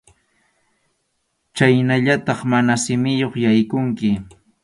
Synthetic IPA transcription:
t͡ʃajnaʎat̪ɑχmanasɪmɪjoχjajkʊŋkɪ

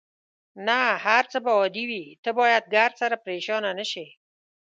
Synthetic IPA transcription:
nahaɾt͡səbaɔd̪iwit̪əbɑjad̪̚ɡaɾsaɾapɾeʃɑnanəʃe

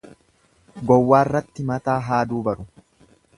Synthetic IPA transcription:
ɡɔwːaːrːɐt̪ːɪmɐt̪aːɦaːd̪uːbɐɾʊ

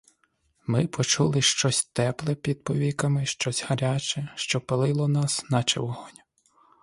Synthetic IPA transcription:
mɪpʰɔt͡ʃulˠɪʃt͡ʃɔsʲt̪ɛplˠɛpʲid̪̚pɔʋʲikɐmɪʃt͡ʃɔsʲhɐɾʲat͡ʃɛʃt͡ʃɔpelˠɪlˠɔnɑsnɐt͡ʃḛwɔɦɔnʲ

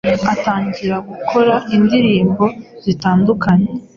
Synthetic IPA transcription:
ataːɲɟiɾaɡukʰo̞ɾaindiɾiːmbo̞z̥itaːndukʰaɲe

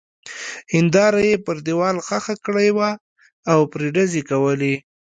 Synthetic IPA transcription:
hɪnd̪ɑɾajepəɾd̪ewɑlxaxakɽajwaː | wpɾeɖazekawəli

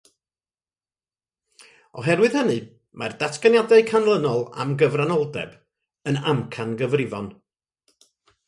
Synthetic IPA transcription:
ɔɦɛrwɨð̥hənɨ | mardatʰɡanjadɛɨkʰanlˠənɔlˠa̰mɡəvranɔlˠdɛ̰b̥ | ənamkʰanɡəvrɪvɔn

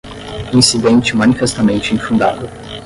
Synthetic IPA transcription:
ĩsid̪ẽnt͡ʃimanifest̪amẽnt͡ʃɪĩfũnd̪a̰d̪ʊ

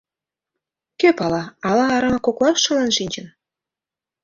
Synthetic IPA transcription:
kʲepɑlˠɑɑlˠɑːɾɑmɑkoklˠɑʃɤ̆lˠɑnʃinʲd͡ʑɘ̆n

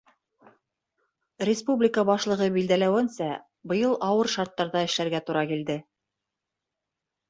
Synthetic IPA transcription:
rʲɪspublʲɪkəbɑʃlˠɤ̆ʁɤbild̪ælæwɘ̆nsæ | bɤ̆jɤlˠɑwɤɾʃɑɾt̪ːɑɾðɑɘ̆ʃlæɾɡæt̪uɾɑkild̪ɘ

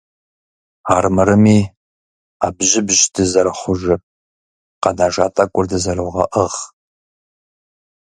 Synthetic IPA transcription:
aːrmɨɾɨmiː | aːbʒɪbʑdɨzɐɾɨχʷʊʒɨ | qɐnaːʒaːtʼɐkʷʼʊrdɨzɐrɨwʁɐ̰ʔəʁ

